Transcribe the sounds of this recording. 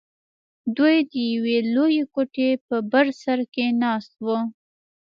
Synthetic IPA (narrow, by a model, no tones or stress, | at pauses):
d̪ujd̪əjawelojekoʈepəbaɾsaɾkenɑst̪̚wə